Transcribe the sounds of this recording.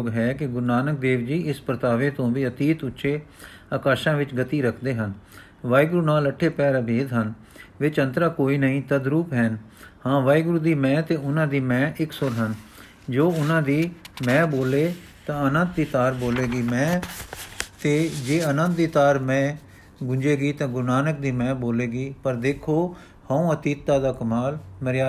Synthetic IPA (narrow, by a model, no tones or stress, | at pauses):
ɡɦɛːkɪɡʊɾnaːnək̚d̪eːʋd͡ʒiːɪspɾət̪aːʋẽːt̪õːʋiːət̪iːt̪ʊtːʃʰeː | aːkaːʃãːʋɪt͡ʃɡət̪iːɾəkʰd̪eːɦən | ʋaːiɡɾuːnaːləʈʰːeːpɛːɾəbʱeːd̪ɦən | ʋɪt͡ʃə̃nt̪ɾaːkoːiːnəĩːt̪əd̪ɾuːpɦɛːn | hãːʋaːiɡɾuːd̪iːmɛ̃ːt̪eːʊnãːd̪iːmɛ̃ːʔɪksʊɾɦən | d͡ʒoːʊnãːd̪iːmɛ̃ːboːleː | t̪ãːənə̃nd̪̚d̪iːt̪aːɾboːleːɡiːmɛ̃ː | t̪eːd͡ʒeːənə̃nd̪̚d̪iːt̪aːɾmɛ̃ː | ɡʊɲd͡ʒeːɡiːt̪ãːɡʊnaːnək̚d̪iːmɛ̃ːboːleːɡiːpəɾd̪eːkʰoː | hãũːət̪iːt̪ːaːd̪aːkəmaːlməɾjaː